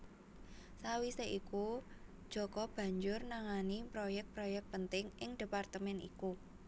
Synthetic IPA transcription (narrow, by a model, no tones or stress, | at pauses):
sawiseʔiku | d̥ʒ̥ɔ̤kɔb̥ä̤ɲd͡ʒʊrnaŋanipɾojɛk̚t̪̚pɾojɛk̚t̪̚pənt̪ɪŋʔɪŋd̥̪e̤part̪əmɛnḭku